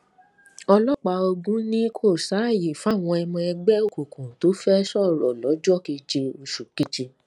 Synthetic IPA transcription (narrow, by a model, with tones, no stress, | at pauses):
ɔ˧lɔ˦k͡pa˧o˧ɡũ˦nĩ˦kʰo˦˨sa˨˦˨ji˨fa˦˨w̃ɔ̃˧ɛ˧mɔ̃˧ɛ˧ɡ͡bɛ˦o˦˨ku˨kũ˨to˨˦fɛ˦ʃɔ˦˨ɾɔ˨lɔ˨˦d͡ʒɔ˦˨ki˧d͡ʒe˧u˧ʃu˨ki˦t͡ʃi˧